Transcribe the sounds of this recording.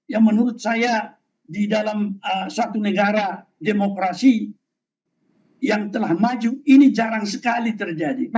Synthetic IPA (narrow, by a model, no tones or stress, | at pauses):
jamənuɾʊt̪̚saja | didalaməsat̪unəɡaɾademokɾasi | jaŋt̪əlahmad͡ʒuinid͡ʒaɾaŋsəkalit̪ərd͡ʒadi